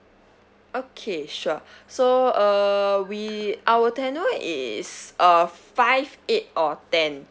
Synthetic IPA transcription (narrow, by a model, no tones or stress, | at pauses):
okʰeʃuəsoʌwiʔawətɛ̃nəʔḭsʔʌfaɪvet̚ɔtɛ̃n